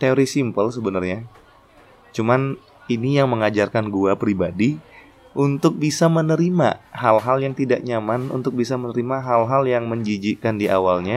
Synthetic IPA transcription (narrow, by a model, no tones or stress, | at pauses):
t̪eoɾisimpəls̬əbənarɲa | t͡ʃuman | inijaŋməŋad͡ʒarkanɡuapɾibadi | ʔunt̪ʊk̚bisamənəɾima̰halɦaljaŋt̪idaʔɲamanṵnt̪ʊk̚bisamənəɾimaɦalɦaljaŋməɲd͡ʒid͡ʒikandiʔawalɲa